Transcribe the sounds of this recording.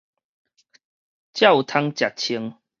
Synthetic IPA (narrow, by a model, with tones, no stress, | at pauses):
t͡ɕja˥˨wt̪ʰa˧ŋt͡ɕja˨˩t̚t͡ɕʰi˧əŋ